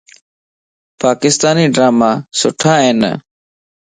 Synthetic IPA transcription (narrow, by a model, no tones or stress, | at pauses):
paːkɪst̪aːniːɖɾaːmaːsʊʈʰãːɦeːnə̰